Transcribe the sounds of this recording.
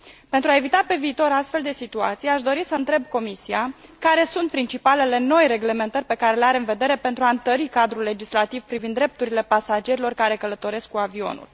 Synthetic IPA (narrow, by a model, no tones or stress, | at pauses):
pe̞nt̪ɾuae̞vit̪ape̞viːt̪o̞ɾast̪fe̞ld̪e̞sit̪ua̰t̪sijeaʃd̪o̞ɾisəɨnt̪ɾe̞b̚ko̞misiakaɾe̞sunt̪̚pɾint͡ʃipale̞le̞no̞jre̞ɡle̞me̞nt̪ərʲpe̞kaɾe̞leaɾe̞ɨnve̞d̪e̞ɾe̞pent̪ɾuaɨnt̪əɾikad̪ɾulːe̞d͡ʒislat̪ivpɾivind̪ɾe̞p̚t̪uɾile̞pasad͡ʒe̞ɾilo̞rkaɾe̞kələt̪o̞ɾe̞skkuavio̞̰nṵl